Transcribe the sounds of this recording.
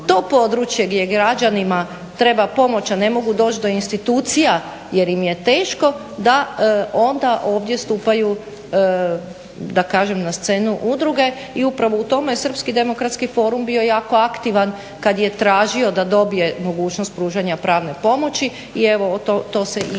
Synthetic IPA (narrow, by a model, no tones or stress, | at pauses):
t̪o̞ːpo̞d̪ɾut͡ʃje̞ɡd̪ʲje̞ɡɾad͡ʒanima | t̪ɾe̞bapo̞mo̞t͡ɕane̞mo̞ɡud̪o̞ːt͡ʃd̪o̞inst̪it̪uːt̪sija | je̞ɾimje̞t̪eːʃko̞ | d̪ao̞nd̪aʔo̞ːʋd̪je̞st̪upaju | d̪akaːʒe̞mnast̪se̞ːnuʔud̪ɾuɡe̞ | iupɾaʋo̞ut̪o̞mejesr̩pskid̪e̞mo̞kɾat̪skifo̞ːɾumbio̞jaːko̞akt̪iʋan | kad̪je̞t̪ɾaːʒio̞d̪ad̪o̞bije̞mo̞ɡuːt͡ʃnost̪̚pɾuːʒaɲapɾaːʋne̞po̞mo̞t͡ɕi | ieʋot̪ot̪o̞ːse